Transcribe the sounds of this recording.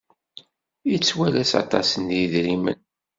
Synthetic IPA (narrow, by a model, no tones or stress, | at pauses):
jit͡sːwælæsɑ̰t̪ˤɑ̰sənjiðɾimə̰n